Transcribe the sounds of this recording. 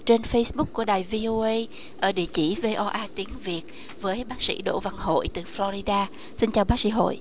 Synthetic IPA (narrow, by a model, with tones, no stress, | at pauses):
t͡ɕe˧nfə˧jsɓʊ˦˥k͡p̚ku˧˩əɗaː˨˩jvi˧ʔo˧ʔə˧j | ʔəː˧˩ɗḭ˧˩ət͡ɕi˧˩ve˧ʔɔ˧ʔaː˧t̪i˨˦əŋvi˨˩ət̚ | vəː˨˦jɓaː˦˥k̚sḭ˧˥ɗo̰˧˨va˧˩ŋɦo̰˧˨jt̪ɨ˨˩flɔ˧ɾi˧ɗaː˧ | si˧nt͡ɕaː˨˩wɓaː˦˥sḭ˧˥ɦo̰˧˨jʔ